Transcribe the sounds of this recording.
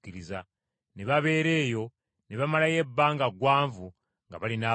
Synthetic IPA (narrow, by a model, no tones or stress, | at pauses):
kiɾiza | neβaβe̞ːɾe̞ːjo̞ | neβamalaje̞bːaːŋɡaɡwaːɱvu | ŋɡa̰βalinaː